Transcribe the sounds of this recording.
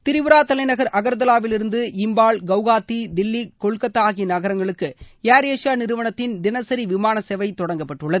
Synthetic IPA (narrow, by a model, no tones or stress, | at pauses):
t̪ɪɾɪʋɯɾaːt̪ɐlɐɪnɐɣɐɾʔɐɣɐɾd̪ɐlaːʋɪlɪɾɯnd̪ɯʔɪmbaːɭɡɐʋɣaːt̪ːid̪ɪlːikːɔɻkːɐt̪ːaːɣinɐɣɐɾɐŋɡɐɭɯkːɯjaːɾeːʂaːnɪɾɯʋɐɳɐt̪ːɪnd̪ɪnɐsɐɾiʋɪmaːnɐsɛʋɐɪt̪ːɔɽɐŋɡɐpːɐʈːɯɭːɐðɯɯ